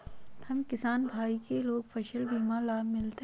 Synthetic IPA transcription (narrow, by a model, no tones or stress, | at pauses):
hɐmkɪsaːnbʱaːikeloːɡfʰɐʃəlbiːmãlaːmɪlt̪e